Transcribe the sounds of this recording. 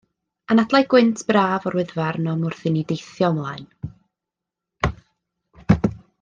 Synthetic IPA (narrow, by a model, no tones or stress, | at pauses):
anadlˠajɡ̥wɪntʰb̥raːvɔrwɪðvarnɔmʊrθɪnidejθjɔmlˠaɨn